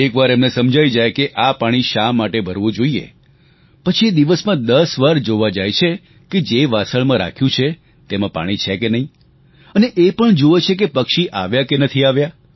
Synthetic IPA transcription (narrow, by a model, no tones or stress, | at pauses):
ekʋaɾemnesəmd͡ʒʱaid͡ʒajkeʔapaɽ̃iʃamːaʈebʱəɾʋõd͡ʒoiḛ | pət͡ʃʰied̪iʋəsmãd̪əsʋaɾd͡ʒoʋad͡ʒajt͡ʃʰe | ked͡ʒeʋasəɭmãɾa̰kʰjũt͡ʃʰe | t̪emãpa̰ɽ̃it͡ʃʰekenəɦĩ | əneʔepəɳd͡ʒoʋet͡ʃʰek̬epəkʃiʔaʋjakenət̪ʰiaʋja